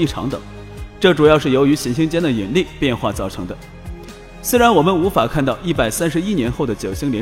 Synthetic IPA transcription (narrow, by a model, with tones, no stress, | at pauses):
i˥˩ʈ͡ʂʰɑ̰˧˥ŋt̪ɤ̰˨˩˦ŋ | ʈ͡ʂɤ˥˩ʈ͡ʂu˨˩jɑ˥˧ʊʂɻ̩˥˩jo˧˥ʊy˧˥ɕi˧˥nɕi˥ŋt͡ɕjɛ˥nd̪ə˨i˨˩nli˥˩pjɛ˥˧nxwa̰˥˧t͡sɑ˥˩ʊʈ͡ʂʰɤ˧˥ŋd̪ə˧ | swe˥ɪɻa˧˥nwɔ˨˩mə˧˦nu˧˥fa˨˩kʰa˥˧nt̪ɑ˥˧ʊʔi˥˩pa˨˩ɪsa˥nʂɻ̩˧˥i˥njɛ˧˥nxo˥˩ʊd̪ə˩t͡ɕjo˨˩ʊɕi˥ŋljɛ˧˥